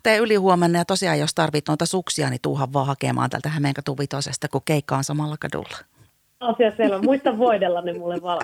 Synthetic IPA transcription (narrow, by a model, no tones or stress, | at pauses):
t̪eːylihuomenːɑjɑt̪osiɑjjost̪ɑrʋit̪noit̪ɑsuksiɑnit̪uːɦɑʋʋɑːhɑkḛmʔɑ̰ːnt̪æ̰lt̪æhæmeŋkɑt̪uʋʋit̪osest̪ɑkukkeikːɑonsɑmɑlːɑkɑdṵlːɑ̥ | ɑsiɑsielæmuist̪ɑʋʋoidelːɑnemulːeʋʋɑ